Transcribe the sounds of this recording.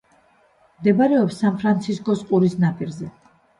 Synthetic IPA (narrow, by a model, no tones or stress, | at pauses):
md̪ɛbaɾɛɔpsːanpʰɾant̪sʰiskʼɔsqʼuɾisnapʰʼiɾzɛ